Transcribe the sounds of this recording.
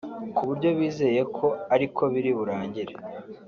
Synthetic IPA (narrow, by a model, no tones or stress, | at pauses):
kuβuɾɟo̞βiːze̞je̞kʰo̞aɾikʰo̞βiɾiβuɾaːɲɟiɾe